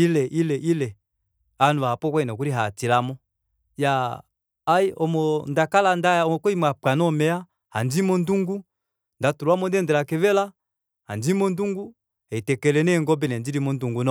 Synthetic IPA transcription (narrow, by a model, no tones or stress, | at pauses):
ilɛʔilɛʔilɛ | anuaapɔkwɛinɔkuɾiɦatilamɔ | jaː | iʔɔmɔndakalandajaɔɔkɔimapanɔmɛa | handimɔnduŋɡu | ndatuɾuamɔndɛndɛlakɛvɛla | hand͡ʒimɔnduŋɡu | ɛitɛkɛlɛnɛŋɡɔbɛnɛndiɾimɔnduŋɡunɔ